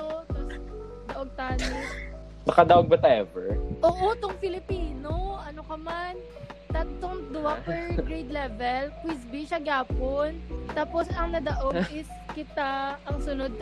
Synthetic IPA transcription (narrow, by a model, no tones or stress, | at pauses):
ot̪os | d̪ɐʔoɡ̚t̪aːno | sɐkɐd̪ɐʔoɡ̚bɐt̪ɐʔɛvɛɹʔoːʔot̪oŋpɪlɪpiːnoɐnokɐman | t̪ɐt̪t̪oŋd̪ʊwapɛɹɡɹejd̪lɛːvɛlkwisbiʃɐɡaːpont̪aːposɐŋnɐd̪ɐʔoɡʔɪs | kɪt̪aʔɐŋsʊnod̪̚